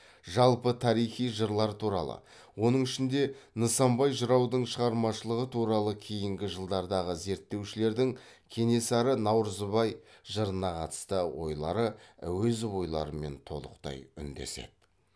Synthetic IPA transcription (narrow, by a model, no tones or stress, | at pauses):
ʒɑlˠpət̪ʰɑɾijχijʒəɾlˠɑɾt̪ʰuɾɑ̰lˠə̰ | wo̞nəɴɪʃɪnd̪e̞nəsɑmbɑjʒəɾɑwd̪əɴʃəʁɑɾmɑʃəlˠəʁət̪ʰuɾɑlˠəkʲʰejɪŋɡʲɪʒəlˠd̪ɑɾd̪ɑʁəze̞ɾt̪ːe̞wʃɪle̞ɾd̪ɪŋ | kʲʰe̞ne̞sɑɾənɑwɾəzəβɑjʒəɾənɑqʰɑt̪ə̥st̪əwo̞̰jlˠɑ̰ɾəwɵzwo̞jlˠɑ̰ɾəme̞nt̪ʰo̞lˠəqt̪ɑ̰jʏ̰nd̪ḛse̞̰d̪̥ɪ